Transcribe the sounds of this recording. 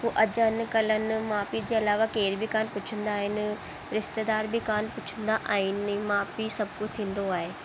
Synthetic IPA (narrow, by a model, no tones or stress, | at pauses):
poːʔɐd͡ʑənɪ̆kɐlənɪ̆maːpid͡ʑeːɐlaːʋakeːɪɾbʱikaːnpʊt͡ɕʰə̃nd̪aːɦɪnɪ̆ | ɾɪʃt̪ed̪aːɾbikaːnpʊt͡ɕʰə̃nd̪aʔaːɦɪnɪmaːpisɐb̚ʱkʊd͡ʑʰʱt̪ʰĩːn̆d̪oaːɦeː